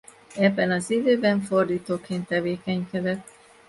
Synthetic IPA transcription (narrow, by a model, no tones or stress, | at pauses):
ɛbːɛnɒzid̪øːbɛɱfo̞rd̪iːt̪oːkeːnt̪ːɛveːkɛɲkɛd̪ɛt̪ː